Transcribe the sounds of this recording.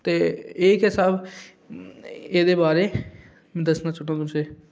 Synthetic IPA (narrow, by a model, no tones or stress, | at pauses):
t̪eːeːkɦɪsaːb | eːd̪eːbaːɾeː | mɛ̃ːd̪əsnaːt͡ʃʊʈãːt̪ʊseː